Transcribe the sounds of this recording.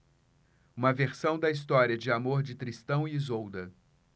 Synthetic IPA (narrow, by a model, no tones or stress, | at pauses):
ũmɐveɾsɐ̃w̃d̪ɐis̬t̪ɔɾiɐd͡ʒɪamoɾd͡ʒɪt̪ɾist̪ɐ̃w̃iːzowd̪ɐ